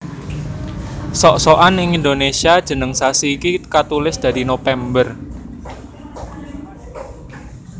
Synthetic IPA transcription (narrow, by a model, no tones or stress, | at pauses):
sɔʔsɔʔanɪŋind̪onesiad̥ʒ̥ə̤nəŋsasiːkikat̪ulɪsd̪̥a̤d̪inofɛmbər